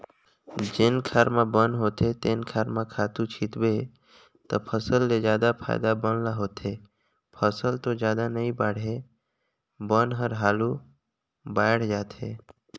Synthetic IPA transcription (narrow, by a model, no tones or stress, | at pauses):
d͡ʒɪnkʰaːɾmãbənɦoːt̪et̪enkʰaːɾmãkʰaːt̪ũt͡ʃʰɪt̪be | t̪əpʰəsəlːed͡ʒjaːd̪apʰa̰ːɪd̪abənlaɦoːt̪ɦe | pʰəsəlt̪od͡ʒjaːd̪anəĩbaːɽ̤ɦe | bənɦəɾɦaːlu | baːɽd͡ʒaːt̪ɦe